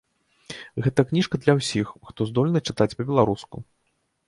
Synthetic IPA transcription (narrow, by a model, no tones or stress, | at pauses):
ɣɛt̪ɐknʲiʂkɐd̪lʲɐwsʲixxt̪ɔzd̪ɔlʲnɨt͡ʂɨt̪at͡sʲpɐbʲɛlˠaɾuskṵ